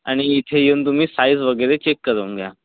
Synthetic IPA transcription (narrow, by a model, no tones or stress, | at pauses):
a̰ɽ̃iːt̪ʰejewnt̪̬um̤iːsaid͡zʋəɡəɾet͡ɕekːəɾəŋɡʱja̰